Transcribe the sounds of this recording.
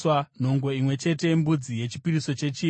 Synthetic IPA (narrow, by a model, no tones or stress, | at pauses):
wan̤o̞ŋɡo̞imwe̞t͡ʃe̞te̞mbud͡zije̞t͡ʃipiriso̞t͡ʃe̞t͡ʃiː